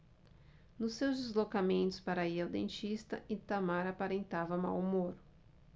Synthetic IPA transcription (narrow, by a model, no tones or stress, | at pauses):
nʊsewzd͡ʒɪzlokamẽnt̪ʊ̥spaɾaiawd̪ḛ̃nt͡ʃist̪ɐ̰ʔĩt̪amaɾapaɾẽnt̪avɐma̰wmoɾ